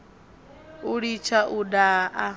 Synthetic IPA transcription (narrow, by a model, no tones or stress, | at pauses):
uɺit͡ʃʰaʔudaʔa